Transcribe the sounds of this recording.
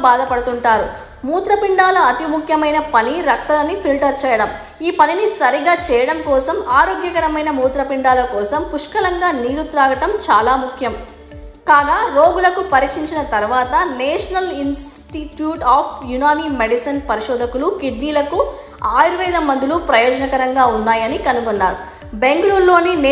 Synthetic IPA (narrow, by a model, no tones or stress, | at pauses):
baːd̪ʱɐpɐɽɐt̪uɳʈaːɾu | muːt̪ɾɐpiɳɖaːlɐɐt̪imukʰjɐmɐjnɐpɐniɾɐk̚t̪ɐlɐnipʰilʈɐɾt͡ʃɛːjɐɽɐm | iːpɐninisɐɾiɡaːt͡ʃɛːjɐɽɐmkɔːsɐmaːɾoːɡjɐkɐɾɐmɐjnɐmuːt̪ɾɐpiɳɖaːlɐkɔːsɐmpuʂkɐlɐŋɡaːniːɾut̪ɾaːɡɐʈɐmt͡ʃaːlaːmukʰjɐm | kaːɡaːɾoːɡulɐkupɐɾiːkʂiɲt͡ʃinɐt̪ɐɾʋaːt̪ɐnɛːʂɐnɐlinsʈiʈjuːʈaːpʰjunaːniːmeɽisɐnpɐɾiʂɔːd̪ʱɐkulukiɖniːlɐku | aːjɾuʋɐjd̪ɐmːɐnd̪ulupɾɐjɔːd͡ʒɐnɐkɐɾɐŋɡaːunːaːjɐnikɐnuɡɔnːa̰ːɾu | beŋɡɐluːɾlo̞ːnin